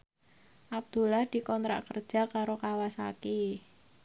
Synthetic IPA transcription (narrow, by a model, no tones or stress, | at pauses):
ʔab̚d̪̥ṳlahd̪̥i̤kɔnt̪ɾa̰ʔkərd̥ʒ̥a̤kaɾokawasake